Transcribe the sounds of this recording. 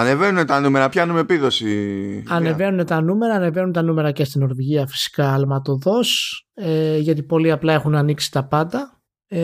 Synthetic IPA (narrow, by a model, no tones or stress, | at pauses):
ɐne̞venune̞t̪ɐnume̞ɾɐpçɐnume̞piðo̞siɐne̞ve̞nune̞t̪ɐnume̞ɾɐːne̞ve̞nunt̪ɐnume̞ɾɐce̞st̪ino̞ɾviʝiɐfi̥si̥kɐːlmɐt̪o̞ðo̞seʝɐt̪̬ipo̞liɐplɐe̞xunɐniksi̥t̪ɐpɐnd̪ɐ